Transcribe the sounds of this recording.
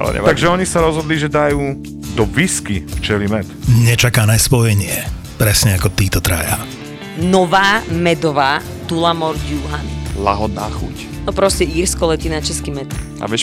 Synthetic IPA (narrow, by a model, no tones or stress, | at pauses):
a̰lɛ̰ɛ̰t̪aɡʒɛɔɲisaɾɔzɦɔd̪liʒɛd̪ajuː | d̪ɔviskift͡ʃɛlimɛt̪ɲɛt͡ʃakanɛspɔjɛɲɪɛ | pɾɛsɲɛakɔt̪iːt̪ɔt̪ɾa̰ja̰ | nɔʋaːmɛd̪ɔʋaː | t̪ulamɔɾɟjuɦanla̰ɦɔd̪naːxṵc | nɔpɾɔscɛiːɾskɔlɛt̪inat͡ʃɛskimɛt̪ | a̰ʋɛ